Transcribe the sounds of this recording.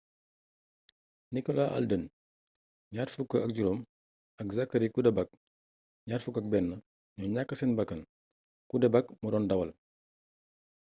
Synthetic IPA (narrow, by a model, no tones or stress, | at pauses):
nikɔlaʔɐ̰ldən | ɲaːrfukːəʔɐk̚ɟulom | ɐkzakːɐɾikudɛbɐk̚ | ɲaːrfukːɐk̚bɛnːɐ | ɲɔɲakːəsɛnbɐkːɐn | kudɛbakmudɔːndɐwɐl